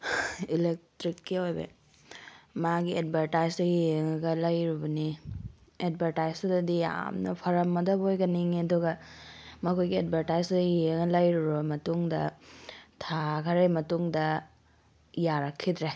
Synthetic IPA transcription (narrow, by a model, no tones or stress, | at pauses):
ilek̚tɾikːiojbɐ̰ | maɡiet̚bʱɐɾtajsdɐjiŋɐɡɐlɐjɾubɐni | et̚bʱɐɾtajsɐdɐdija̰mnɐ̰pʰɐɾɐmːɐdɐbojɡɐniŋeɐduɡɐmɐkʰojɡiet̚bʱɐɾtajsɐjiɡɐlɐjɾuɾubɐmɐtuŋdɐ | tʰakʰɐɾejmɐtuŋdɐ | jaɾɐkʰːidɾe